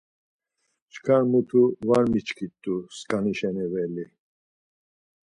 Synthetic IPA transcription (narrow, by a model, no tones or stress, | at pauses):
t͡ʃʰkʰaɾmut̪ʰuvaɾmit͡ʃʰkʰit̪ʼːuskʼaniʃɛnɛvɛli